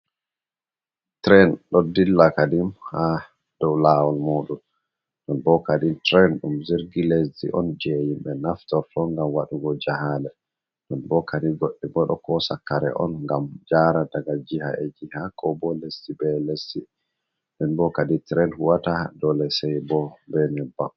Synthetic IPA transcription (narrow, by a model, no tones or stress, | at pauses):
tɾɛnɗɔdilːakadimha | d̥ɔwlawɔlmoːɗun | ɗɔnbɔkaditɾɛnɗumziɾɡilesdḭʔɔnd͡ʒejimɓɛnaftɔɾtʰɔŋɡamwaɗuɡɔd͡ʒaɦalɛ | ɗɔnbɔkadiɡoɗːiɡɔɗɔkɔsakːaɾɛ̰ʔɔ̰nŋɡamd͡ʒaɾadaɡad͡ʒiha̰ɛd͡ʒihakɔbɔlesːibɛlesi | ɗɔnbɔkaditɾɛnhuwatadɔlɛsɛjbɔbɛnɛbːa